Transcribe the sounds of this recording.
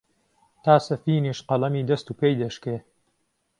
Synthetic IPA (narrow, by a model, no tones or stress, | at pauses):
t̪ʰaːsɐfiːniʃqɐlɐmiːd̪ɐst̪uːpejd̪ɐʃkɾeː